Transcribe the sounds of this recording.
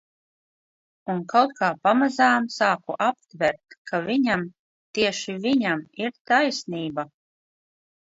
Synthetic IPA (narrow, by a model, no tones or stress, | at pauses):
unkawt̪̚kaːpamazaːmsaːkuʔap̚t̪vʲɛɾt̪kʰavʲiɲam | t̪iɛʃiviɲamiɾt̪ajsniːba